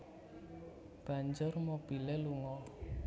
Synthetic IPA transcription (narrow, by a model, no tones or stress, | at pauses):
b̥a̤ɲd͡ʒʊrmob̥i̤leluŋɔ